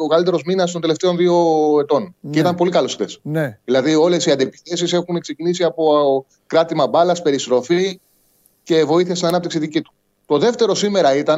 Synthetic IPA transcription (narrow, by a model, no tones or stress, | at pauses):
okɐlit̪̬e̞ɾo̞zminɐst̪ond̪e̞le̞ft̪e̞o̞nðio̞e̞t̪o̞nceit̪ɐmpo̞likɐlosxt̪e̞̰snðilɐðio̞le̞siɐnd̪iepi̥θe̞sise̞xune̞kse̞cinisiɐpo̞ | kɾɐt̪imɐbɐlɐspe̞ɾist̪ɾo̞fi | ce̞vo̞iθiɐst̪inɐnɐpt̪iksiðicit̪u̥ | t̪o̞ðe̞ft̪e̞ɾo̞sime̞ɾɐit̪ɐ